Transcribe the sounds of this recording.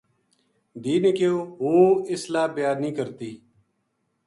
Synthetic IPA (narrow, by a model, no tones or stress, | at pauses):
d̪iːneːkɪjoːɦoːɪslaːbɪjaːnĩːkəɾt̪iː